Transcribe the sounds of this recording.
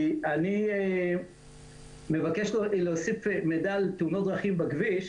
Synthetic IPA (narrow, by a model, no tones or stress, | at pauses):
anie | me̞vakeʃloleosifemedalt̪unot̚d̪ʁaχimbaɡviʃ